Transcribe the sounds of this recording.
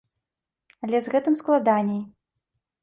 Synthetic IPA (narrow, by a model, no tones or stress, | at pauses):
ɐlʲɛzɣɛt̪ɨmsklˠad̪anʲɛj